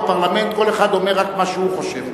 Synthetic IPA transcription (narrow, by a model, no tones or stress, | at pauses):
paʁlame̞nt̪̚ko̞le̞χad̪o̞meʁakmaʃeuχo̞ʃev